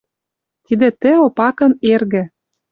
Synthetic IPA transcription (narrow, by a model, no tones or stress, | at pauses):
t̪id̪ĕt̪ɘ̆opɑkɤ̆nerɣɘ̆